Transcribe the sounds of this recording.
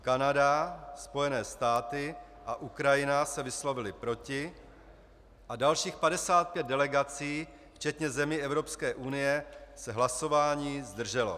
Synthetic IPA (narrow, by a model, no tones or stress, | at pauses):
kanadaspo̞jɛnɛːst̪aːt̪ɪ | ʔaʔukɾajɪnasɛvɪslo̞vɪlɪpɾo̞cɪ | ʔadalʃiːxpadɛsaːt̪̚pjɛd̪̚dɛlɛɡat͡siː | ft͡ʃɛt̪ɲɛzɛmiːɛvɾo̞pskɛːʔunɪjɛsɛɦlaso̞vaːɲiːzd̪r̩ʒɛlo̞̰